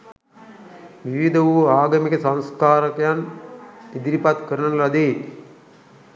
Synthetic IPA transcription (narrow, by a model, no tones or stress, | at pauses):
ʋiʋid̪əʋuaːɡəmikəsãnskaːɾəkəjan | id̪iɾipat̪kəɾənənɾad̪e